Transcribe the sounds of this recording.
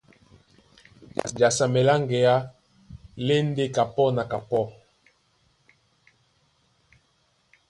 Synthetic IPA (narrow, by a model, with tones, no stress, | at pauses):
d͡ʒa˨sa˨mɛ˨la˦ŋɡɛ˨a˦ | le˦n˦de˦ka˨pɔ˦na˨ka˨pɔ˦˨